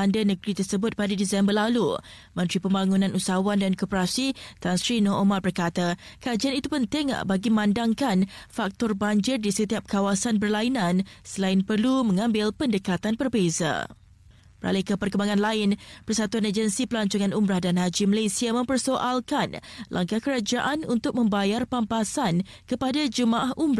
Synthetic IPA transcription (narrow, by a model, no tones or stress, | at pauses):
andanəɡɾit̪ərsəbʊt̪̚padadisɛmbərlalu | mə̃nt̪ɾipəmbaŋunãnʔusawandankɔpəɾasit̪ansɾinɔomarbərkat̪akad͡ʒianit̪upənt̪ɪŋ̰baɡimãndaŋkanfak̚t̪ɔrbaɲd͡ʒɪrdisət̪iap̚kawasanbərlainãnsəlaɪnpərlumə̃ŋãmbɪlpəndəkat̪anbərbeza̰ | bəɾa̰lɪhkəpərkəmbaŋanlaɪnpərsat̪uanad͡ʒənsipəlaɲt͡ʃuŋanumɾahdanɦad͡ʒiməlesiamə̃mpərsoʔalkanlʔa̰ŋkahkəɾad͡ʒaʔanunt̪ʊk̚mə̃mbajarpampasan | kəpadad͡ʒəmãʔaɦʔumbɾa